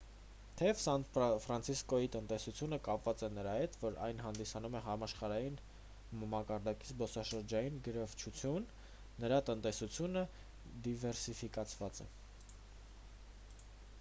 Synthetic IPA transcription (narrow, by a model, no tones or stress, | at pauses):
t̪ʰɛvsɑnfɾɑnt͡sʰiskɔit̪ənt̪ɛsut͡sʰjunəkɑpvɑt͡sɛnəɾɑhɛt̪vɔɾɑ̰jnɦɑnd̪isɑnumɛɦɑmɑʃχɑɾɑjin | mɑkɑɾd̪ɑkizbɔsɑʃəɾd͡ʒɑjinɡəɾɑvt͡ʃʰut͡sʰjunː | əɾɑt̪ənt̪ɛsut͡sʰjunə | d̪ivɛɾsifikɑt͡sʰvɑt͡sɛ̰